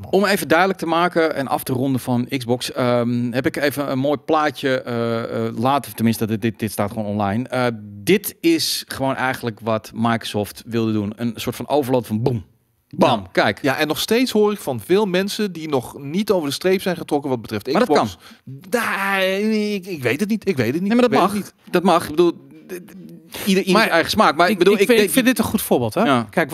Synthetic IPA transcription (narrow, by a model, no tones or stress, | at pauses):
ɔmeːvədœɥdələk̚təmaːkəɛ̰nʔɑ̰ftərɔndəfɑnɪkzbɔksəɦɛpɪkeːvəənmoːjplaːcəəlaːtəftənmɪnstədɪdɪtstaːtχʋoːnɔnlajnədɪtɪsχəʋoːnʔɛjɣəndləkʋɔtmajkro̥sɔːftʋɪlˠdədunənsoːɹtfɑnʔowvəɹlotfɔnbum | bumkɛjkjaʔɛnːɔxsteːtsɦoːrɪkfɔnfɪːlˠmɛnsədinɔχnitowvəɹdəstrejpsɛjnχətrɔkəʋɔt̚bətrɪftɪaɔtnja | kɪkʋejtət̬nitɪkʋeːtətninemaɔmnitd̥ɔt̚mɑxbədulˠ | idəimɛjχəsmaːkmabədulˠɪkfɪndɪtənχutfoːɹbɪːlˠtɔakɛjk